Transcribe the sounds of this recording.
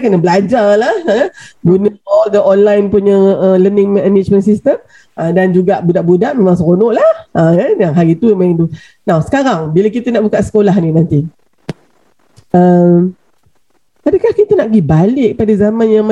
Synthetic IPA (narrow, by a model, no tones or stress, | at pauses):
kənəbəlad͡ʒarlahəɡunəɔldəʔɔnlajnpuɲə̃ələnɪ̃ŋmɛ̃ɛnit͡ʃmə̃nsist̪əm | ədand͡ʒuɡaʔbudaʔbudaʔmẽmãŋsəkonɔʔlahəədaŋɦaɾit̪umãĩndu | nãwsə̥kaɾaŋbiləkit̪ənaʔbukaʔsə̥kolahninãnt̪i | əm | adakahkit̪ənaʔɡibalɪʔ̚padazamãnjaŋm